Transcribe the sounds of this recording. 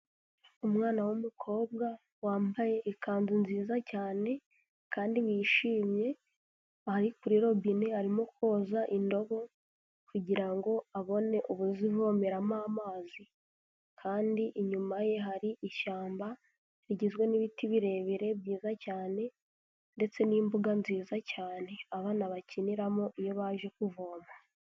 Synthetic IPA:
umŋaːnawumukʰo̞ːb̚ɡa | waːmbaje̞ʔikaːnzinziːzacaːne̞ | kʰaːndiβiʃiːmje̞ | haɾikuɾiɾo̞bineaɾimo̞ko̞ːzaʔindo̞βo̞ | kuɟiɾaŋɡo̞aβo̞ne̞ʔuβuzivoːmeɾamaːmaːzi | kʰaːndiʔiɲumaje̞ɦaɾiʔiʃaːmba | βiɟizɡwe̞niβitiβiɾe̞βiɾe̞bjiːzacaːne̞ | nde̞t͡se̞nimbuɡanziːzacaːne̞aβaːnaβaciniɾamoʔijo̞βaʒe̞kuvo̞ːma

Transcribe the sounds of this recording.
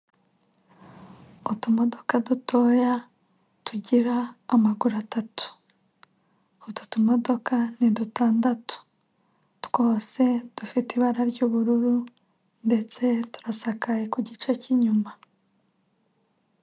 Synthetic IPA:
otumo̞do̞kadutʰo̞ːja | tuɟiɾaːmaɡuɾatatu̥ | otu̥tumo̞do̞kanidutaːndatu̥ | tɡ̥o̞ːse̞d̥ufitiβaɾaɾɟuːβuɾuɾu | nde̞t͡se̞tu̥ɾasakajekuɟit͡ʃe̞ciɲuma

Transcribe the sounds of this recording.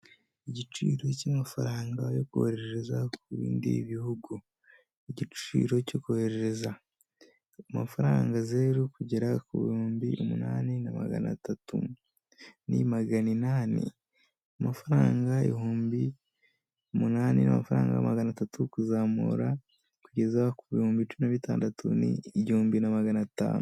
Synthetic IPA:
iɟit͡ʃiːɾo̞camafaɾaːŋɡajo̞kuheɾeɾeɾe̞zakuβḭːndḭβihuɡu | iɟiḭːɾo̞co̞kuheɾe̞ɾeza | amafaɾaːŋɡazeːɾukuɟe̞ɾakuβḭhuːmbḭʔumunaːnenama̰ɡa̰na̰tatʰṵ | nḭmaɡaninaːnḭ | amafaɾaːŋɡaḛihuːmbi | umunaːnina̰mafaɾaːŋɡa̰amaɡanatatʰukuzaːmṵɾa | kuɟe̞zakuβihuːmbit͡ʃuminaβitaːndatṵnḭihuːmbinamaɡanata̰ːnu

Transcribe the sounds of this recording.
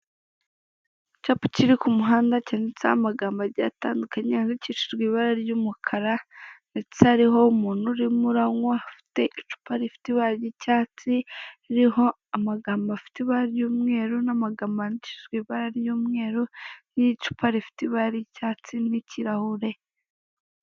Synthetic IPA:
capu̥ciɾikumuɦaːndacanet͡samaɡaːmbaɾɟa̰taːndukaɲeaniciʃiʒɡwiːβaɾaɾjuːmukʰaɾandet͡shaɾiɦo̞umuːn̥uɾimuɾaŋwaafi̥te̞ʔit͡ʃu̥paɾifi̥tiβajicaːt͡siiɾiho̞ | amaɡaːmbafi̥tiβaɾaɾjuːmŋe̞ːɾunamaɡaːmbanici̥ʃiʒɡwiːβaɾaɾjuːmŋe̞ːɾunijit͡ʃu̥pʰaɾifi̥tiβaɾicaːt͡siniciɾahuɾe̞

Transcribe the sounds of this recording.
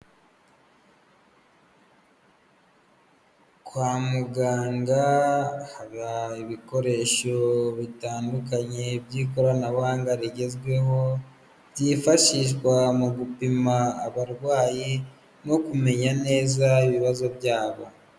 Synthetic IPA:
kwaːmuɡaːŋɡahaβaiβiko̞ɾe̞ʃo̞βitaːndukaɲebɟiːkoɾanaβaːŋɡaɾiɟe̞zɡwe̞ho̞ | jifaʃiʃ̬ɡwamuɡupimaːβaɾɡwaːji | no̞kume̞ɲane̞ːzaiβiβazo̞bɟaːβo

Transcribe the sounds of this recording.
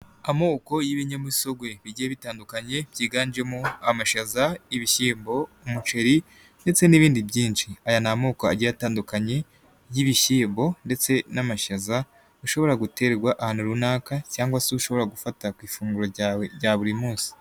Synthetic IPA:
amo̞ːko̞jiβiɲemuso̞ɡwe̞βiɟijeβitaːndukaɲe̞bjiːɡaːnd͡ʒe̞muamaʃazajiβiçiːmbo̞umut͡ʃe̞ɾi | nde̞t͡se̞niβiːndibjiːnt͡ʃiajanamo̞ːkoa̰ɟiataːndukaɲe̞ | jiβiçiːmbo̞nde̞t͡se̞namaʃaza | uʃo̞βo̞ɾaɡute̞ɾeɡwaʔahaːnuɾunaːkacaːŋɡwasiuʃo̞βo̞ɾaɡufatakwiːfuːŋɡuɾojaβuɾimuːsi̥

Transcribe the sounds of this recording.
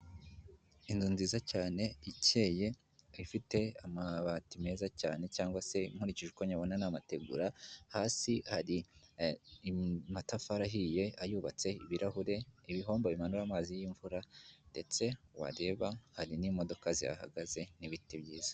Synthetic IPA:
inzuːnzizacaːne̞ice̞ːje̞ | ifite̞amaβatime̞ːzacaːne̞caːŋɡwase̞im̥huɾiciʒukoɲaβonanamate̞ɡṵɾahaːsihaɾi | matafaɾaɦije̞ajuːβat͡se̞iβiɾaɦuɾe̞iβiɦo̞ːmboβimanuɾaːmaːzijiːɱvuɾande̞t͡se̞wa̰ɾe̞ːβahaɾinimo̞do̞kazia̰ha̰ɡaze̞niβitibɟiːz̥ḁ

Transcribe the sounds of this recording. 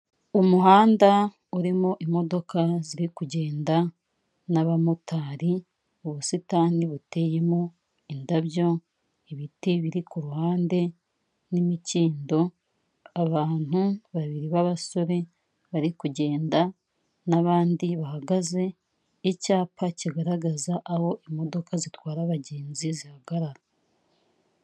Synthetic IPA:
umuɦaːnda | uɾimoʔimo̞do̞kaziɾikuɟe̞ːnda | naβamutʰaːɾi | oβusitaːniβute̞je̞mo | indaβjo̞ | iβitiβiɾikuɾuhaːnde̞ | nimiciːndo̞ | aβaːn̥huβaβiɾiβaβaso̞ɾe̞ | βaɾikuɟe̞ːnda | naβaːndiβahaɡaze̞ | icaːpaciɡaɾaɡazaʔaho̞ʔimo̞do̞kazitwaːɾaβaɟe̞ːnzizihaɡaɾaɾa

